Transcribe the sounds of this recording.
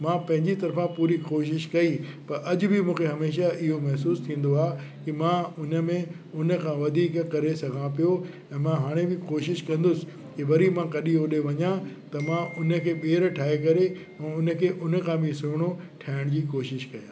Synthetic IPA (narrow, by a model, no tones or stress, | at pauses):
mãpɐ̃ɦɪ̃ɲd͡ʑit̪ɐɾfãpuːɾikoːʃɪʃkɐipɐɾʔɐʄʊ̆bɪmũːkʰeɦɐmeːʃaʔɪɦomɛɦsuːst̪ʰĩːn̆d̪oaːɦkɪmãʊnə̆mẽ | ʊnə̆kʰãːʋɐd̪ʱiːkkɐɾesɐɡʱãpijo | ɛ̃ːmãɦaːɽ̃ebɪkoːʃɪʃkɐ̃nd̪ʊsɪ̥ | kɪʋɐɾimãkɐɗiɦoːɗeʋɐɲãt̪ɐmãʔʊnə̆kʰeːɓeːɾʈʰaːek̬ɐɾe | ɛ̃ːʊnə̆kʰeːʔʊnə̆kʰãːbisʊːɽ̃oʈʰaːɪɽ̃d͡ʑiːkoːʃɪʃkɐjãː